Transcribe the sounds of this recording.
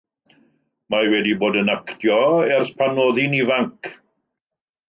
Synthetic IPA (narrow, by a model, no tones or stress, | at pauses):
mawɛdiboːdənaktʰjɔɛrθpʰanoðinivaŋkʰ